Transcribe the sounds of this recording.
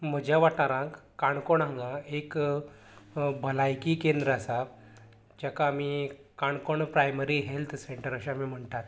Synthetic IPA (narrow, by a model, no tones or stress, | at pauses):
m̤əd͡ʑʱjaʋaʈɳaɾãŋkːaɳkoɳãŋɡaek | bʱəlajkikend̪ɾəasa | d͡ʑakaːmikaɳkoɳpɾajməɾiɦelt̪ʰseɳʈəɾəɕaamim̤əɳt̪at̪